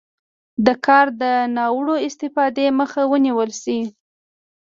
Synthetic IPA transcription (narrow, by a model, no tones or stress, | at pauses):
d̪əkʰɑɾd̪ənɑwɽoɪst̪ɪfɑd̪eməxawəniwəlsi